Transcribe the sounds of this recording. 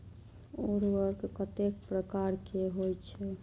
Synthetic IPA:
oɾʋəɾkkət̪ek̚pɾəkaɾkeɦojt͡ʃʰɛ

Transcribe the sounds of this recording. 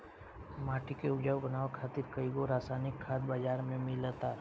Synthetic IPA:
maːʈikeʊd͡ʒaʋbənaːʋakʰaːt̪ɪɾkəiɡoɾaːsaːnɪkʰːaːd̪baːd͡ʒaːɾmẽmɪlat̪aː

